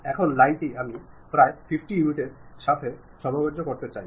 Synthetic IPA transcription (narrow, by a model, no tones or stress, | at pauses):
ɛkʰonlajnʈiami | pɾaefʰifʈijuniʈeɾʃat̪ʰe | ʃɔbobod͡ʑːokoɾt̪et͡ɕaj